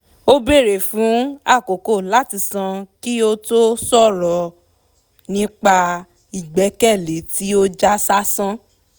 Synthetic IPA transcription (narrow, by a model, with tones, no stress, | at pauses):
o˦be˦˨ɾe˨fũ˨˦a˦˨ko˨ko˦˨la˨˦ti˧˨sã˧ki˦o˦to˦sɔ˦˨ɾɔ˨˦ | nĩ˦k͡pa˧ | i˨ɡ͡bɛ˨˦kɛ˦˨le˨˦ti˦o˦d͡ʒa˦sa˦sã˦